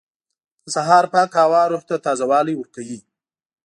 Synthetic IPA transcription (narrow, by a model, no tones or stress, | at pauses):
saɦɑːɾpɑkɑwɑɾoht̪at̪ɑzawɑlijwəɾkawi